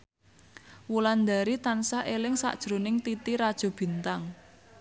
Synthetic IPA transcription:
wuland̪a̤ɾit̪ansaʔelɪŋsa̰ʔd̥ʒ̥ɾonɪŋt̪it̪iɾad̥ʒ̥ɔ̤b̥i̤nt̪aŋ

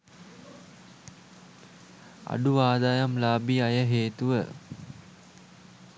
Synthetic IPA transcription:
a̰ɖuʋaːd̪ajamlaːbiajəɦeːt̪uʋə

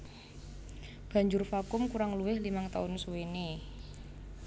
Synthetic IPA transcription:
b̥a̤ɲd͡ʒʊrfakʊmkuɾaŋluwɪhlimaŋt̪a̰ʊnsuwene

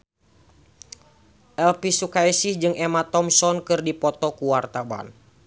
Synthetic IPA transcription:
ʔɛlpisukaisihd͡ʒɨŋɛmat̪ɔmsɔnkɨrdipɔt̪ɔkuwart̪aba̰n

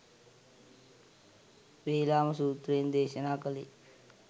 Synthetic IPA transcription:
ʋeːlaːmɐsuːt̪ɾeːnd̪eːʃɐnaːkəlḭ

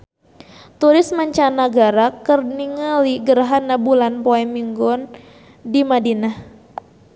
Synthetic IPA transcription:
t̪uɾɪsmaɲt͡ʃanaɡaɾakərniŋaliɡəɾaɦanabulanpoɛmiŋɡɔn | dimadinah

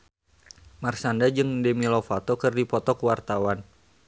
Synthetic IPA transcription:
marsandad͡ʒɨŋdɛmilofat̪okɨrdipɔt̪ɔkwart̪awan

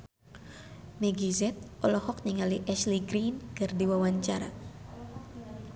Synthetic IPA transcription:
mɛɡizɛt̪̚ʔɔlɔhɔk̚niŋaliʔɛsliɡɾinkɨrdiwawaɲt͡ʃaɾa̰

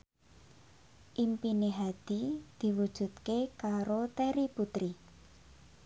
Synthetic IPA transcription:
ʔimpineɦad̪̥id̪̥i̤wud̥ʒ̥ṳt̪̚kekaɾot̪eɾiput̪ɾi

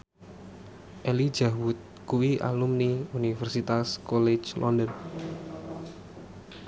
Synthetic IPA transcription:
ʔeli̥d͡ʒawʊt̪̚kuwiʔa̰lumniunifɛrsit̪askɔle̥t͡ʃlʔɔndən

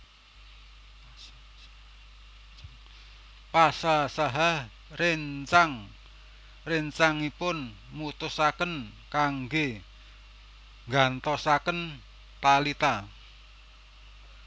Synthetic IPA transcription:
pasasaɦah | reɲt͡ʃaŋ | reɲt͡ʃaŋipʊn | mut̪ʊsakən | kaŋɡe | ŋɡant̪ɔsakən | t̪alit̪a

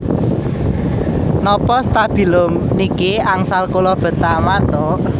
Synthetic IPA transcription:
nɔpɔst̪ab̥i̤lʊmnikeaŋsalkolɔb̥ə̤t̪amat̪ɔʔ

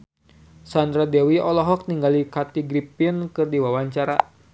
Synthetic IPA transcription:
sand̪ɾadɛwiɔlɔɦɔk̚niŋɡalikat̪iɡɾipinkɨrdiwawaɲt͡ʃaɾa

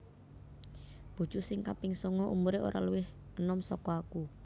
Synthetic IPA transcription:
b̥ṳ̥d͡ʒ̥ṳsɪŋkapɪŋsɔŋɔʔumuɾeo̰ɾa̰luwɪh | ənɔmsɔkɔaku

